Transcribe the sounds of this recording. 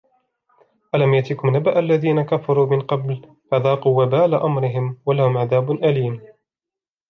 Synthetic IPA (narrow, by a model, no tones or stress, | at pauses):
ʔalamjaʔt̪iːkʊmnabaʔalːaðiːnakafɑɾˤuːmɪnqɑbl | faðɑːquːwabaːlaʔamɾɪɦɪmwalahʊmʕaðaːbʊnʔaliːm